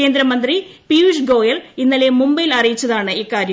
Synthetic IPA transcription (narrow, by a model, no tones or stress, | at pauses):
ke̞ːnd̪ɾɐmɐnd̪ripiuʂɡo̞ːjɐlinːɐle̞mumbɐjilɐrijit͡ɕːɐðaːɳɨiːkaːɾjɐ